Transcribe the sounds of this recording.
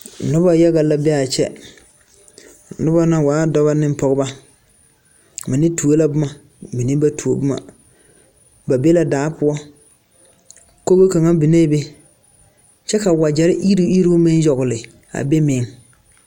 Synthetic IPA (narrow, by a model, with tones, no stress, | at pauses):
nʊ˦ba˦ja˦ɣa˨la˨˦bɛ˦a˨t͡ʃɛ̰˦ | nʊ˦ba˦na˦waː˨˦dɔ˦βa˦nɪ˦m˦pɔ˨ɣʊ˦ba˦ | mɪ˨nɪ˦tu˨o˦la˦bʊ˦ma˨ | mi˨nɪ˦ba˦tʰu˨o˨bʊ˦ma̰˨ | ba˨be˦la˨daː˨˦pʊ˦ɔ˦ | ko˦ɣo˦ka˨ŋa˦bi˨ne˦be˦ | t͡ʃɛ˦ka˨wa˨d͡ʒɛ˨ɾɪ˦ʔi˦ɾi˦i˦ɾi˦bʊ˦mɪ˦njɔ˨ɣʊ˨lɪ˨ | a̰˨be˦mɪ˨˦ŋ